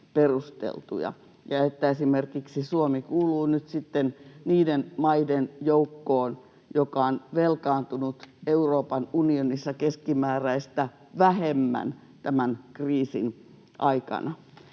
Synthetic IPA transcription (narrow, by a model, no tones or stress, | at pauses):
perust̪ḛlt̪ṵjɑ̰ | jɑet̪ːæesimerkiksisuomikuːluːnyt̪sit̪ːenniːdenmɑidenjoukːoːn | jokɑonʋelkɑːnt̪unut̪euroːpɑnunionisːɑkeskimæːræist̪æ | ʋæhemːæ̰n | t̪æmænkriːsin | ʔɑikɑ̰nɑ